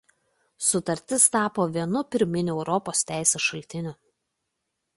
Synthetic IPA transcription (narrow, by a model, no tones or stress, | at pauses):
sʊt̪ɐɾʲt̪ʲɪst̪ɑːpoːʋʲiɛnʊpʲɪɾʲmʲɪnʲʊɛʊɾɔpoːst̪ʲæˑɪsʲeːsʃɐlʲt̪ʲɪnʲʊ